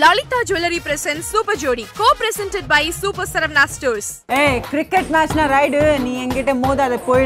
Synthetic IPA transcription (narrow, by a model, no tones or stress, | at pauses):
lɔːlit̪aːd͡ʒulɐɾipɾɛsɛ̃nsuːpɐɾd͡ʒoːɽikoːpɾɛsɛ̃nʈeɖ̚baɪsuːpɐɾsɐɾɐʋnaːsʈoːɾs | eːkɾɪkːɛʈnaːsnaɾɐɪɖɯnĩːɛŋɡɪʈːɐmoːðɐðɐpoj